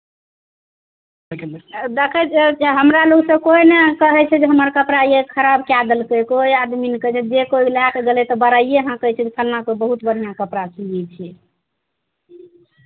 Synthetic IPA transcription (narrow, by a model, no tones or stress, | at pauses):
d̪ekʰɛt͡ʃʰɛɦəmɾaloɡsə̃koinekəɦɛt͡ʃʰɛd͡ʒeɦəməɾkəpɾaiekʰəɾabkjad̪əlkəjkojad̪minkət͡ʃʰɛd͡ʒekoilakɡelɛt̪ɔbəɾaijeɦãkəɦɛt͡ʃʰɛd͡ʒekʰəlnakoibəɦut̪bəɽ̤ijakəpɾat͡ʃiet͡ʃʰ